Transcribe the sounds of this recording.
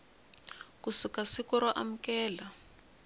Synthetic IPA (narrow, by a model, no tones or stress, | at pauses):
kusikasikɔɾaʔam̩kɛːla